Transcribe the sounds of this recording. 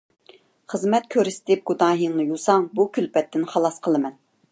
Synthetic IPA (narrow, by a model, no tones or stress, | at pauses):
χəzmɛt̪̚kʲʰøɾɪst̪ɪp̚ɡ̥ud̪ɑːɦiŋnɨjusɑŋbukʲylpɛt̪ːɪnχɑlˠɑsqʰəlˠɨmɛn